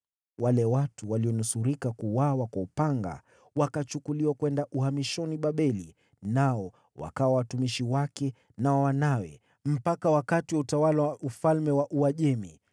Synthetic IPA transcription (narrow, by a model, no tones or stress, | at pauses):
walɛwatuwaliɔnusuɾikakuwawakwaupaŋɡa̰ | wakat͡ʃukuliwakwɛndaʔuhamiʃɔniɓaɓɛli | naɔ | wa̰kawawatumiʃiwakɛ | nawanawɛ̰ | m̩pakawakatiwautawalawaufalmɛwaʔuaʄɛmi